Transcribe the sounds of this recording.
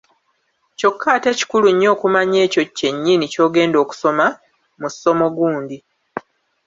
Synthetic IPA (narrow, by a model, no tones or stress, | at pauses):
co̞kʰːaːte̞ci̥kuluɲːo̞ːkumaɲe̞ːco̞cːe̞ɲːinico̞ːɡe̞ːndo̞ːku̥so̞ma | musːo̞mo̞ɡuːndi